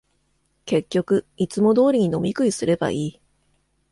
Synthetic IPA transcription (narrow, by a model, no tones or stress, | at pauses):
ke̞kʲːo̞kɯ̟ | it͡sɨmo̞d̪o̞ːɾʲiɲ̟ino̞mʲikɯ̟isɨɾe̞ba̰ʔiː